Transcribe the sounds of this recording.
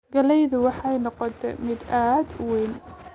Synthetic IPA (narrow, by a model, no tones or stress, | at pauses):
ɡɐlɛjðʊwɑħɑjnɔqɔt̪ʰɛ̰mɪd̪aːd̪ʊwɛjn